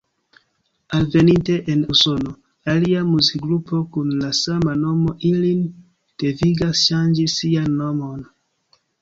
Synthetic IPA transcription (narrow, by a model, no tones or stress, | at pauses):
alve̞ninte̞ʔenuso̞no | aliamuziɡɾupo̞kunlasamano̞mo̞ʔilin | d̥eviɡasʃand͡ʒisːianːomon